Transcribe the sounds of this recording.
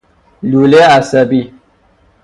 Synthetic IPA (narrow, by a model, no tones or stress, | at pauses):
luleasəbi